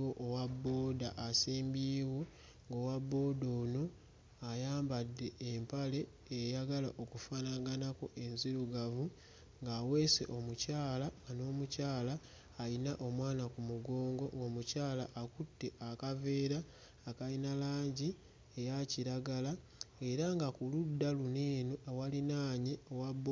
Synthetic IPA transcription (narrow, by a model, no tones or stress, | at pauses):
woʔowabːo̞ːdaʔːsiːmbiːwo̞ | ŋɡowabːo̞ːdo̞ːno̞ | ajaːmbadːe̞ːmpale̞ | ejaɡalaʔo̞kufanaɡanako̞ʔe̞nziluɡavu | ŋɡaːwe̞ːse̞̰ʔo̞mucaːlano̞ːmucaːlaː | linaʔo̞mwaːnakumuɡo̞ːŋɡo̞ɡo̞mucaːlaʔːkutːe̞ʔakave̞ːɾaː | kalinalaːɲɟi | ejaciɾaɡalae̞ɾaŋɡakuludːaluneːnuawalinaːɲiowab